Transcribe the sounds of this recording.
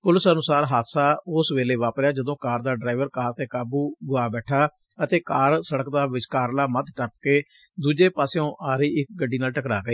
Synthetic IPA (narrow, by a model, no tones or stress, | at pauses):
pʊləsənʊsaːɾɦaːt̪saːʊsʋeːleːʋaːpɾɪjaːd͡ʒəd̪õːkaːɾd̪aːɖɾaːɪʋəɾkaːɾt̪eːkaːbuːɡʊaːbɛːʈʰaː | ət̪eːkaːɾsəɽəkd̪aːʋɪt͡ʃkaːɾlaːmət̪ʈəpkeː | d̪uːd͡ʒeːpaːseõːʔaːɾiːɪk̚ɡəɖiːnaːlʈəkɾaːɡiː